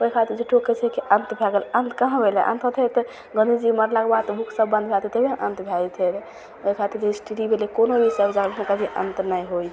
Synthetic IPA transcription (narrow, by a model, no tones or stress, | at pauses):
oikʰat̪iɾd͡ʒeʈoket͡ʃʰɛkeʔənt̪bʱaɡələnt̪kəɦãbʱeleʔə̰nt̪ʰɦt̪ʰɛt̪ɔ | ɡə̃nd̪id͡ʒiməɾlakbad̪t̪ɔbʱukʰsəbːə̃nd̪̚bʱalt̪ʰet̪ebʱẽʔə̃nt̪bʱaɡit̪ʰeɾ | oɦikʰat̪iɾd͡ʒesʈiɾibʱelekonobʱiseəbd͡ʒaɡəlmẽkabʱiʔə̰nt̪najɦoj